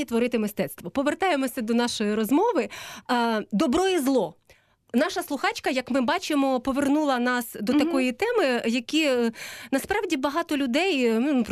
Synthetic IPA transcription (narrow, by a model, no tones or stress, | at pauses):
it̪ʋɔɾɪt̪ɪmɪst̪ɛt̪st̪ʋɔpɔʋert̪ɑjemɔsʲɐd̪ɔnɑʃɔjiɾɔzmɔʋɪ | d̪ɔbɾɔjizlˠɔ | nɑʃɐslˠʊxɑt͡ʃkɐjɐkmɪbɑt͡ʃɪmɔpɔʋernulˠɐnɑsd̪ɔt̪ɐkɔjit̪ɛmɪjɐkʲinɐspɾɑwdʲibɐɦɑt̪ɔlʲʊd̪ɛj̪p